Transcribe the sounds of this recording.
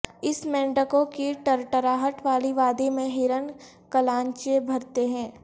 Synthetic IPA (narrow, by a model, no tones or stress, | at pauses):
ɪsmɛ̃ːɳɖəkõkiʈəɾʈəɾaːɦəʈʋaːliʋaːd̪emẽɦɪɾən | kəlãːɲt͡ʃebʱɐɾt̪eɦɛ̃ː